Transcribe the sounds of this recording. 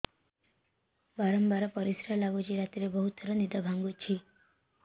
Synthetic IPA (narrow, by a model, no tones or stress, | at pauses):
baɾɔmbaɾɔpɔɾisɾalaɡod͡ʒiɾat̪iɾebɔɦut̪ɔɾɔnid̪abʱaŋɡut͡ʃʰi